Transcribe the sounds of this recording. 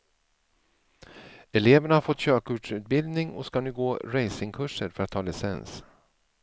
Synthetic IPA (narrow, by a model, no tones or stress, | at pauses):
ɛleːvəɳahaɾfɔt̪ːɕøːkʊːʈʂʉ̟ːt̪̚bɪld̪nɪŋɔ̰skanɪɡoːɾɛjsɪŋkʰɵʂəɾfœɾat̪ʰːɑːlɪsɛ̰ns